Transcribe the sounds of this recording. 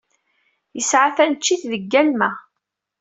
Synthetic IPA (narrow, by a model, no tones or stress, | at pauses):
jəsʕaθænət͡ʃːiθðəɡːælmæ